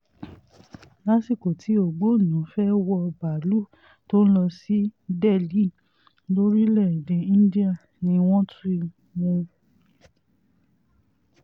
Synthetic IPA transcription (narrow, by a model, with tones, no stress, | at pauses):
la˦si˦˨ko˨tʰi˨˦o˨ɡ͡bo˨˦˨nũ˨˦fɛ˦wɔ˧ba˨lu˦ | to˦ñ̩˦lɔ˧si˦dɛ˦˨li˨˦˨ | lo˦ɾi˦lɛ˦˨de˨˦ĩ˦di˦a˦˨ | nĩ˧w̃ɔ̃˦tu˦i˧ | mũ˧